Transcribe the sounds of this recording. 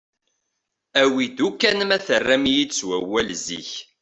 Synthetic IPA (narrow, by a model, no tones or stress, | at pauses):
æwid̪ukːænəmæθərːæmjid̪swæwælzḭç